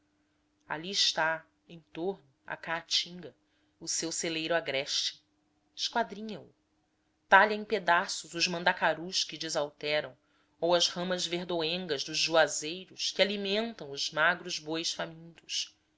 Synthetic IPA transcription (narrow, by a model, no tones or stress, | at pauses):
a̰liɪʃt̪a | ẽj̃t̪oɾnʊa̰kaːt͡ʃĩŋɡɐ | ʊsewselejɾʊaɡɾɛʃt͡ʃɪ̥ | ɪʃkwad̪ɾĩɲɐʊ̰ | t̪aʎɐẽj̃ped̪asʊzʊzmɐ̃nd̪akaɾuʃkɪd͡ʒɪzawt̪ɛɾɐ̃w̃ | owɐzhɐ̃mɐzveɾd̪oẽŋɡɐzd̪ʊzʒuazejɾʊskɪalimẽnt̪ɐ̃w̃ʊzmaɡɾʊzbojʃfamĩnt̪ʊs